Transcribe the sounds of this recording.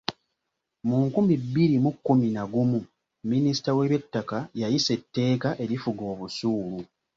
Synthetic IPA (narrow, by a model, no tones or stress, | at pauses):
muŋkumibːiɾimukːuminaɡumu | minisi̥tawe̞βetːakajajise̞tːe̞ːkaʔe̞ɾifuɡo̞ːβusuːlu